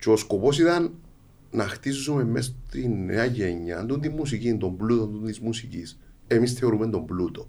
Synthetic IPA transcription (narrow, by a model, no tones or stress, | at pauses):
t͡ʃoskopo̞siðanː | axt̪issumemːes̬t̪inḛaʝeɲːand̪und̪imːus̬icind̪o̞mblut̪ond̪und̪izmusicis | emisθeo̞ɾumend̪o̞mblut̪o